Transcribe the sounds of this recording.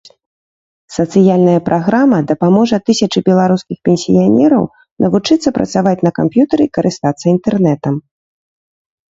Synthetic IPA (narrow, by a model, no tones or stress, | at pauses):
sɐt̪sɨjalʲnɐjɐpɾʔaɣɾamɐd̪ɐpamɔʐɐt̪ɨsʲɐt͡ʂɨbʲɛlˠaɾuskʲixpʲɛnʲsʲijanʲɛɾɐ̰w | nʔɐvut͡ʂɨt̪sːɐpɾʔɐ̰t̪savat͡sʲnɐkampjut̪ɐɾɨikɐɾʔɨst̪at̪sːɐint̪ɛrnɛt̪ɐm